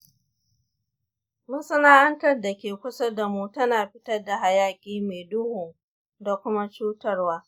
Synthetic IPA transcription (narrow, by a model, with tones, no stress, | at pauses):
mʊ˦nsɐ˦naː˦ʔɐ˦ntɐ˦rda˨kʲeː˨kʷʊ˦sɐ˦da˨muː˦tɐ˦naː˨ɸɪ˦tɐ˦rda˨ɦa˨jaː˦kʲiː˦meː˨dʊ˦hʊ˨ŋ | da˨kʷʊ˦ma˦t͡ʃuː˦tɐ˦rwaː˦